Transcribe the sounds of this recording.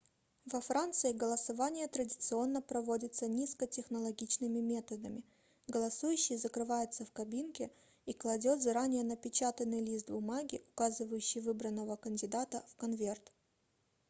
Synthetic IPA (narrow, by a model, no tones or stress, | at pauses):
vɐfɾant̪sɨɪɡəlˠəsɐvanʲɪjət̪ɾədʲɪt̪sɨo̞nːəpɾɐvodʲɪt̪sənʲiskətʲɪxnəlˠɐɡʲit͡ɕnɨmʲɪmʲe̞t̪əd̪əmʲɪ | ɡəlˠɐsujʉɕːɪjzəkɾɨvajʊt̪səfkɐbʲinkʲɪ | iklˠɐdʲo̞t̪zɐɾanʲɪjənəpʲɪt͡ɕat̪ənːɨjlʲist̪bʊmaɡʲɪ̰ʔʊkazɨvəjʉɕːɪjvɨbɾənːəvəkənʲdʲɪd̪at̪əfkɐnvʲert̪